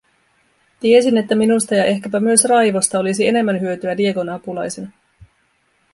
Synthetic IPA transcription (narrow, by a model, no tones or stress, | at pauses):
t̪ie̞sine̞t̪ːæminust̪ɑjɑʔe̞hkæpæmyøsrɑjʋo̞st̪ɑo̞lisie̞ne̞mːænɦyøt̪yædie̞ko̞nɑpulɑjsenɑ